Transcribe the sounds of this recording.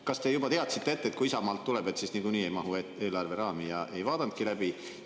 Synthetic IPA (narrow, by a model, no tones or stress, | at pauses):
kɑst̪e̞jubɑt̪eɑt̪sit̪ːe̞et̪ːet̪kuisɑmɑːlt̪ːuleb̥e̞t̪sisniɡuniːe̞jmɑɦuee̞ːlɑrve̞ɾɑːmijɑʔe̞jvɑːd̪̥ɑnt̪̚kilæb̥i